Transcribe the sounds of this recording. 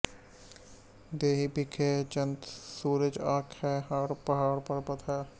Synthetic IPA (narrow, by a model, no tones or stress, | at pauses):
d̪eːɦibʱikʰeːd͡ʒənt̪suːɾəd͡ʒaːkʰhɛːɦaːɾpəɦaːɾpɐɾpət̪ʰɦɛː